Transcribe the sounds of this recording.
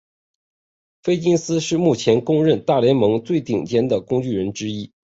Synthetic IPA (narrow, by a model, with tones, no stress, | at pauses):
fe˥ɪt͡ɕi˥ŋsɹ̩˥ʂɻ̩˥˧mu˥˩t͡ɕʰjɛ˧˥nkʊ˥ŋɻə˥˧nt̪a˥˩ljɛ˧˥nmɤ˧˥ŋt͡swe˥˩ɪt̪i˨˩ŋt͡ɕjɛ˥nd̪ə˨kʊ˥ŋt͡ɕy˥˩ɻə˧˥nʈ͡ʂɻ̩˥i˥